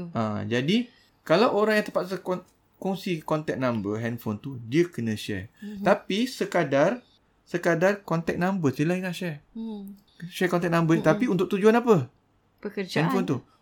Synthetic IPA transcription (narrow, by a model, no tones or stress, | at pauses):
ʔã̰d͡ʒadi | kalawʔoɾaŋjãŋt̪əpat̪̚sək | kuŋsikɔnt̪ɛk̚nãmbəɦɛnfont̪udiəkənə̃ʃɛ̰rt̪apisəkadar | səkadarkɔnt̪ɛk̚nãmbəsilahiŋaʃɛr | ʃɛkɔnt̪̬ɛk̚nãmbət̪apiunt̪ʊk̚t̪ud͡ʒuanapə | bəəɛnfont̪u